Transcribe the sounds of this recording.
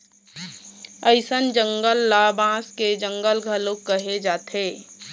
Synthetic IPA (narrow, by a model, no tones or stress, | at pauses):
əɪsənd͡ʒə̃ŋɡəlːabãːsked͡ʒə̃ŋɡəlɡʱəlokəɦed͡ʒaːt̪ʰeː